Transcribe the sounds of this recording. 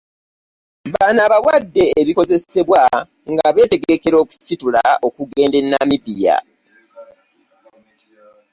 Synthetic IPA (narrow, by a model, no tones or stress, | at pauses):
βanaːβawadːe̞ːβiko̞ze̞se̞βwa | ŋɡaβe̞ːte̞ɡe̞ke̞ɾo̞ːku̥situlao̞kuɡe̞ːnde̞nːamiβija̰